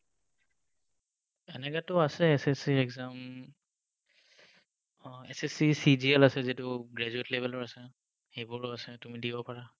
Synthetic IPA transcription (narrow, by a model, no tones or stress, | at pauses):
ɛnɛɡatɔasɛɛsɛsiɹɛɡzam | ɛsɛsisid͡ʒiɛlasɛzitʊɡɹɛzuetlebʱɛlɔɹasɛ | xebʊɹʊasɛtumidibɔpaɹa